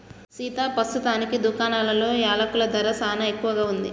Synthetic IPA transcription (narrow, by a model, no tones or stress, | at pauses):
siːt̪aːpɐst̪ut̪aːnikid̪ukaːnaːlɐlo̞ːjaːlɐkulɐd̪ʱɐɾɐsaːnɐe̞kːuʋɐɡaːund̪i